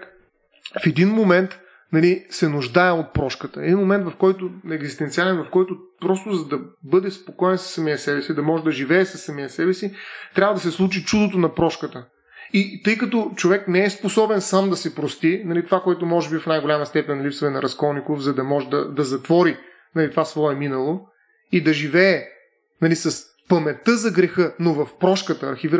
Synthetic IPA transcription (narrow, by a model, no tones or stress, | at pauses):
fɛd̪inmomɛnt̪ | nɐlisɛnʊʒd̪aɛot̪̚pɾɔʃkət̪əɛd̪inmomɛnt̪vɐfkɔjt̪ʊɛɡzist̪ɛnt̪sialɛnvɐfkɔjt̪ʊpɾɔst̪ʊzɐd̪ɐbɤd̪ɛspokɔɛnsə̥sːɐmiɐsɛbɛsid̪ɐmɔʒɛd̪ɐʒivɛːsɐsːɐmijɐsɛbɛsit̪ɾʲavɐd̪ɐsɛslˠut͡ʃit͡ʃud̪ot̪onɐpɾɔʃkət̪ə | it̪ɤjkɐt̪ɔt͡ʃovɛknɛɛsposɔbɛnsamd̪ɐsɛpɾost̪inɐlit̪ovakoɛt̪̬ʊmɔʒɛbiɐfnajɡolʲaməst̪ɛpɛnʲːɐlipsəvɛnɐɾɐskɔlˠnikofzɐd̪ɐmɔʒɛd̪ɐd̪ɐzɐt̪vɔɾi | nɐlit̪ovasvɔɛminɐlˠo | id̪ɐʒivɛː | nɐlisɐs | pəmɛt̪ɤzɐɡɾɛxɤnovɐfpɾɔʃkət̪əːɾxiviɾ